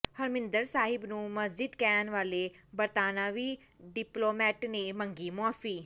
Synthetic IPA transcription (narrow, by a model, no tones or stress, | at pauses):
həɾmɪ̃nd̪əɾsaːɦɪbnũːməsd͡ʒɪd̪kɛːnʋaːleːbəɾt̪aːnãːʋiː | ɖɪploːmɛːʈnẽːmə̃ŋɡiːmʊaːfiː